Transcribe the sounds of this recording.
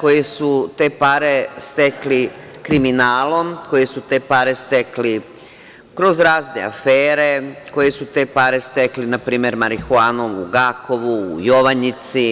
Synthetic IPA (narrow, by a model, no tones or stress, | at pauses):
ko̞jesut̪e̞ːpaɾe̞st̪ekli | kɾiminaːlo̞mkoje̞sut̪e̞ːpaːɾe̞st̪e̞kli | kɾo̞zɾaːznḛa̰feːɾe̞ko̞jesut̪e̞ːpaːɾe̞st̪e̞klinapɾiːmeɾmaɾixuaːno̞ʋuːɡaːko̞ʋuːjo̞ʋaɲit̪si